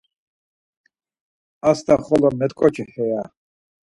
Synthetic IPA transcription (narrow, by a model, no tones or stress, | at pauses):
ast̪ʰaχɔlɔmɛt̪kʼɔt͡ʃʰʼihɛja